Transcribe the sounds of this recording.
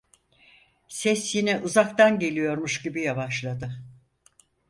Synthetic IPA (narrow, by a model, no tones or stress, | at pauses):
sɛsjinɛʔuzakt̪anɟe̞lʲijo̞ɾmuʃɟibijavaʃlˠad̪ɯ